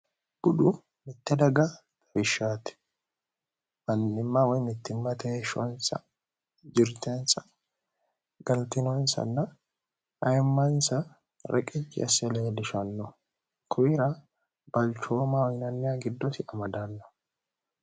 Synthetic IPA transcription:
b̥ʊᶑʊ | mɪt̪ːɛd̪ɐɡɐ | bɪʃːaːt̪ɛ̥ | mɐnːɪmːawɔjmɪt̪ːɪmːɐt̪ɛʃɔ̰nsɐ̰ | d͡ʒɪɾt̪ensɐ̥ | ɡɐlt̪ɪnɔnsɐ̰nːɐ | ɐjmːɐnsɐ | ɾʔɛ̰kʼɪt͡ʃːɪ̰ɐsɛleːdɪʃɐnːɔ | kʰʊjɪɾɐ | b̥ɐlt͡ʃoːmawɔjnɐnːɪjaɡɪd̪ːɔt̪ɪɐmɐd̪ɐnːɔ̥

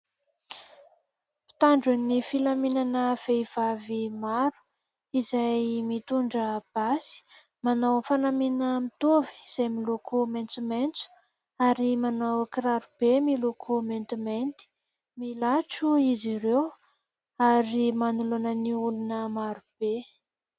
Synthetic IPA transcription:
pi̥t̪aɳɖ͡ʐunifilaminanəv̥eiv̥avimaɾu̥ | izajmit̪uɳɖ͡ʐəb̥asi̥ | manawfanaminəmit̪uvi̥iz̥ajmilokʰument͡sument͡su̥ | aɾimanawkɾaɾub̥emilokʰument̪iment̪i̥ | milaʈ͡ʂuiziɾew | aɾimanulonəniulunəmaɾub̥e

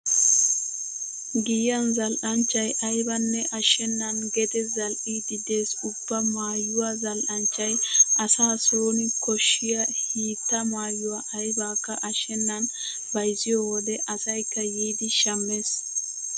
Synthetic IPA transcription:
ɡɪjːɐnzɐlʔɐnt͡ʃːɐjʔɐjbɐnːɛʔɐʃːɛnːɐnɡɛt̪ɛzɐlʔid̪ɪd̪e̞ːsʊbːɐmaːjʊwazɐlʔɐnt͡ʃːɐjɐsaːsoːnɪkɔʃːɪjɐhiːt̪ːɐmaːjːʊwaʔɐjbaːkːɐʔɐʃɛnːɐn | bɐjzɪjowɔd̪ɛʔɐsɐjkːɐjiːd̪ɪʃɐmːeːs

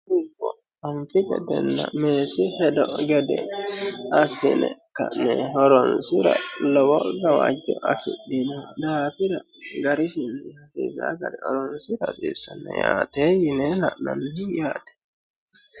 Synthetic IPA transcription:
ukɔ | aɱfikɛdɛnːameːsihɛdɔɡɛdɛ | asinɛkanɛɦɔɾɔnsiɾa̰lɔwɔɾawad͡ʒɔʔakiɗːinɛdaːfiɾa | ɡaɾisinːihasiːsaɡadɛhɔɾɔnsiɾasisanɛjaːtɛjinɛlaʔnanːijaːtɛ̥

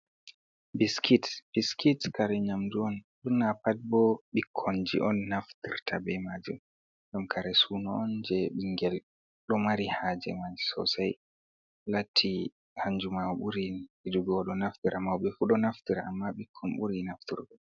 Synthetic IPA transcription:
biskʰitb̥iskitkaɾɛɲamduɔnɗunːapat̚bɔɓikʰːɔnd͡ʒḭʔɔnːaftiɾtʰabɛmad͡ʒum | ɡamkʰaɾɛsuːnɔɔnd͡ʒɛɓiŋɡɛl | ɗɔmaɾihad͡ʒɛ̰mad͡ʒi̥sɔ̰saj | latʰːi | haɲd͡ʒumawɓuɾihiduɡɔɗɔnaftiɾʔamawɓɛfuɗɔnaftiɾaamːaɓikʰːɔnɓuɾinaftḭɾbɛ

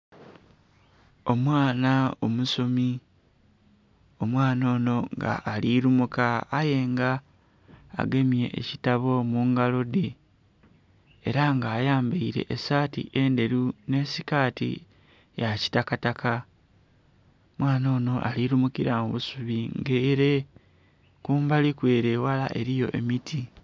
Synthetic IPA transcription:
o̞mwaːnaomusomi | o̞mwaːno̞ːno̞ŋɡa̰ʔːliɾumukaːje̞ŋɡa̰ː | ɡe̞mje̞̰ʔːcitaβo̞muŋɡalode | ɾaŋɡaːjaːmbeiɾe̞̰ʔːsaːtḭʔe̞nde̞ɾune̞ːsikaːtḭ | jaci̥takataka | omwaːno̞ːno̞ʔa̰liɾumukiɾamuβusuβiŋɡeɾe | kuːmbalikweːɾewala̰ʔe̞ɾijo̞̰ʔe̞̰mitʰi

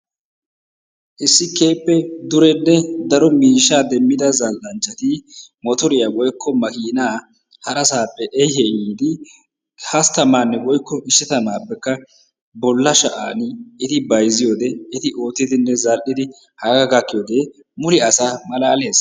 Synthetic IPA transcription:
ʔɪsːɪke̞ːpʼːɛd̪ʊɾɛnːɛd̪ɐɾɔmiːʃːaːd̪ɛmːɪd̪ɐzɐlʔɐnt͡ʃːɐt̪ɪmɔt̪ɔɾɪjawɔjkʰːɔmɐkiːnaː | hɐɾɐsaːpʼːɛʔɛjhɛʔiːd̪ɪ | hɐst̪ɐmaːnːɛwɔjkːɔʔɪsːɛt̪ɐnaːpːɛkːɐ | bɔlːɐʃɐʔaːnɪt̪ɪbɐjzɪjo̞ːd̪ɛɪt̪ɪʔo̞ːt̪ːɪd̪ɪnːɛzɐlʔɪd̪ɪ | hɐɡaɡɐkːɪjoːd̪e | mʊlɪɐsaːmɐlaːle̞ːs

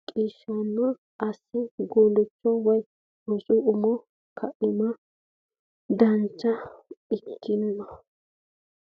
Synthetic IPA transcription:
kʼiːʃːanːɔ | ʔɐsːɪɡoːlɛt͡ʃːɔwɐj | ɔsʼʊʊmɔ | kʰɐʔɪmɐ | d̪ɐnt͡ʃːɐɪkʰːɪnːɔ

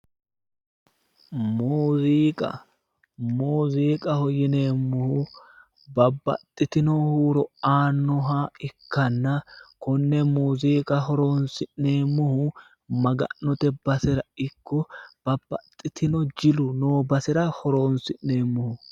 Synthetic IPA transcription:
muːziːkʼɐ̰ | muːziːkʼɐhɔjɪneːmːʊhʊ | bɐbːɐ̰t̪ʼːɪt̪ɪnɔhuːɾɔaːnːɔɦaːɪkːɐnːɐkɔnːɛmuːziːkʼɐhɔɾoːnsɪʔneːmːʊhʊ | mɐɡɐ̰ʔːɔt̪ɛbɐsɪɾɐɪkːɔb̥ɐbːɐt̪ʼːɪt̪ʰɪnɔd͡ʒɪlʊnoːbɐsɪɾɐhɔɾoːnsɪnne̞ːmːʊhʊ

